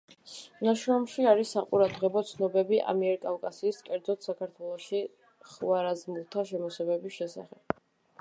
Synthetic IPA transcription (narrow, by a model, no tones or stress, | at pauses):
naʃɾɔmʃiaɾisːaqʼuɾad̪ʁɛbɔt̪sʰnɔbɛbiʔa̰miɛɾkʼafkʼasiːskʼɛɾd̪zɔt̪ʰsakʰaɾt̪ʰwɛlˠɔʃi | χwaɾazmulˠt̪ʰaʃɛmɔsɛbɛbisʃɛsa̰χɛb̥̚